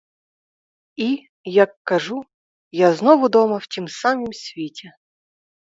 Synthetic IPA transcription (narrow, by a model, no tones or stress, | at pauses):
i | jakːɐʐu | jaznɔvʊd̪ɔmɐftʲimsamɨmsʲvʲetʲɛ